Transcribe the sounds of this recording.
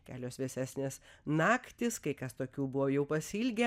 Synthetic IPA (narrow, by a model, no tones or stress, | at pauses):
kʲæːlʲoːsʋʲɛsʲæːsʲnʲeːsnɑːkt̪ʲɪskɐɪkɐst̪oːkʲuːbʊʋoːjɛʊpɐsʲiːlʲɡʲɛ